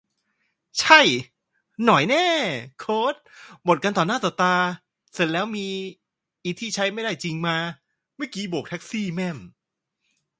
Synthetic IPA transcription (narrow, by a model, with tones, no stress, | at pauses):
t͡ɕʰa˥˩j | nɔ˨˩˦jnɛː˥˩kʰoː˦˥t̪̚bo˨˩t̪̚ka˧nt̪ɔː˨˩nːaː˥˩t̪ɔː˨˩t̪aː˧ | se˧˩n̚lɛː˦˥wmiː˧ | ʔiː˧t̪ʰiː˥˩t͡ɕʰa˦˥jma˥˩jda˥˩jt͡ɕi˧ŋmaː˧ | maː˥˩kiː˦˥boː˨˩k̚t̪ʰk̚siː˥˩mɛ˥˩m